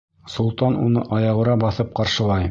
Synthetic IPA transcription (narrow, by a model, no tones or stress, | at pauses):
sulˠt̪ɑnunɤʔɑjɑʁ̆ɾɑbɑθɤp̚qɑɾʃɤ̆lˠɑj